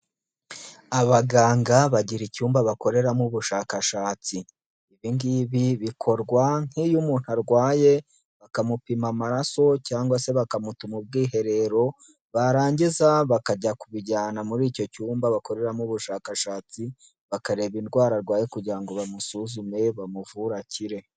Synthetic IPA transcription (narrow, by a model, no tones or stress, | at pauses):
aβaɡaːŋɡaβaɟiɾicuːmbaβako̞ɾe̞ɾamuβuʃaːkaʃaːt͡si | iβiŋɡiβiβikʰo̞ɾɡwaŋ̥ijumuːn̥haɾɡwaːje̞ | βakamupimamaɾaso̞caːŋɡwase̞βakamutumub̚ɡiːɦe̞ɾe̞ɾo̞ | βaɾaːɲɟizaβakaɟakuβiɟaːnamuɾiːco̞cuːmbaβako̞ɾe̞ɾamuβuʃaːkaʃaːt͡si | βakaɾe̞βinɡwaːɾaɾɡwaːje̞kuɟiɾaŋɡo̞βamusuzume̞βamuvuɾaciɾe̞